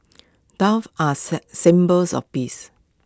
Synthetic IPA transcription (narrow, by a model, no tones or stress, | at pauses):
dafasɪ̃mbəlsɔ̰fpis